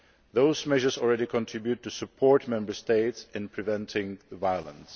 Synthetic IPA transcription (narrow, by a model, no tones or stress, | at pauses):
ðoʊzmɛʒə˞zɔl̩ˠɹɛɾikʰə̃ntʰɹ̥ɪbjʉtʰːɨsɨpʰɔɹt̚mɛ̃mbə˞steɪtsɨ̃npʰɹ̥ɨvɛ̃ntʰɪ̃ŋðəvaɪəlˠə̰̃ns